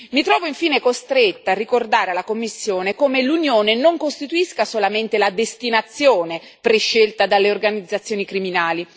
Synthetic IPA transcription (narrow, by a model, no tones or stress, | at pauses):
mit̪ɾɔːvoiɱfiːnekost̪ɾet̪ːaːrːikord̪aːɾealakomːisːjoːnekomelunjoːnenoŋkost̪it̪uiskasolament̪elad̪est̪inat̪sːjoːne | pɾeʃːelt̪ad̪alːeorɡanid̪zːat̪sːjoːnikɾiminaːli